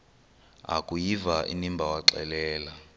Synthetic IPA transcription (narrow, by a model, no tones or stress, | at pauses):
a̰kʼujivaʔḭnimbʱawaǁɛ̰lɛːla